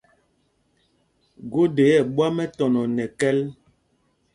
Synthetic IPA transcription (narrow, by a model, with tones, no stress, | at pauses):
ɡo˦de˨˦jɛ˦˨ɓwa˦mɛ˦tɔ˨nɔ˨nɛ˨kɛ˦l